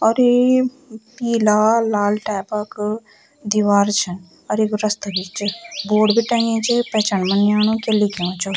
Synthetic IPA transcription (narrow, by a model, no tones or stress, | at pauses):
ɔɾe | piːlalaːlʈɛːpək | d̪iʋaːɾt͡ʃʰən | ɔɾekɾəst̪abit͡ʃboːɖbʱiʈɐ̃ŋẽt͡ʃepɛt͡ʃanmənjaːnõkelikeõt͡ʃʰu